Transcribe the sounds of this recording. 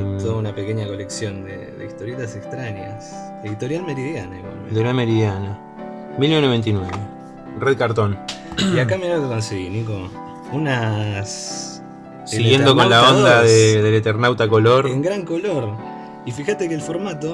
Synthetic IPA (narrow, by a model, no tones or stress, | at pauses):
t̪oðunapekeɲako̞leksjond̪ḛðḛist̪o̞ɾjet̪asekst̪ɾaɲja̰s | eðit̪o̞ɾjalmeɾiðjanaeɣwa̰lmḛ̃d̪eɾameɾiðjana | milneenoβe̞nt̪inweβe | reðkaɾt̪oniakameɾeokeko̞nseɣiniko | unas | siɣje̞nd̪okonlaondd̪aðeðelet̪eɾnawt̪ako̞lo̞ɾeŋɡɾaŋkoloɾ | ifixat̪ekeːlfo̞ɾmat̪o̞